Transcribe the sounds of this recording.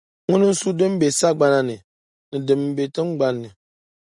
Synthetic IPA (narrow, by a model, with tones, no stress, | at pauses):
ŋʊ˦nɨ˦n̩˦su˦dɨ˦m˦be˨sa˦ɡ͡ba˦na˦nɨ˨ | nɨ˨dɨ˨m˨˦be˨tɨ˦mɡ͡ba˦nːɨ˨